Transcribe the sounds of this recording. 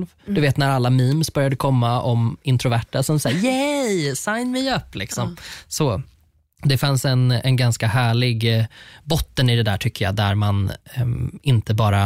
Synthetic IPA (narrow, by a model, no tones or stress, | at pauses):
lvd̪ɵveːt̪næɾalːamiːmsbœɾjad̪əkʰɔmːaɔmɪnt̪ʰɾʊvæʈːasɔmsajɛjsajnmɛjɵpːlɪksɔmsɔ | d̪ɛfansɛnɛnɡanskahæːɭɪɡbɔt̪ːənɪd̪ɛd̪æ̰ːʈʰʏkʰːəjɑ̰d̪æɾman | ɪnt̪əbɑːɾa